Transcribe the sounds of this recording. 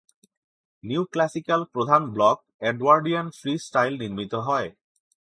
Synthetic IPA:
niwklasikalpɹod̪ʱanblɔk̚ | eɖwaɹɖiɔnfʰɹisʈajlniɹmit̪ɔɦɔj

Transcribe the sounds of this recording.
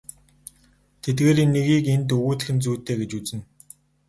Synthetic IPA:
t̪ʰet̪̚ɡeːɾinːeɣiːkent̪̬ɵɣuːt̪ɘ̆xɘ̆nt͡suːt̪ːeːɡet͡ɕut͡sɘ̆n

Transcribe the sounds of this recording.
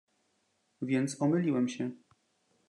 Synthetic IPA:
vʲjɛnt̪sɔmɘlʲiwɛmɕɛ

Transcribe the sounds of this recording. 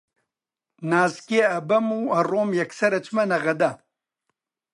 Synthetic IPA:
naːzkeɐbɐmuɐroːmjɐksɐɾɐt͡ʃmɐnɐɣɐd̪a

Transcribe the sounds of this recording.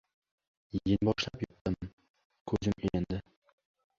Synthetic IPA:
jejʲɪnbɒʃlapjʊt̪t̪ɪm | kʰɵzɪmend̪ɪ

